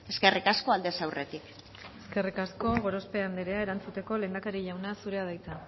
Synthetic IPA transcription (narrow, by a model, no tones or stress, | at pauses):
e̞ske̞rikaskoald̪e̞sawret̪ik | e̞ske̞rikasko̞ɣo̞ɾo̞spe̞and̪eɾe̞ae̞ɾant͡sut̪e̞ko̞le̞ːnd̪akaɾiʎawnasuɾe̞að̞ajt͡s̪a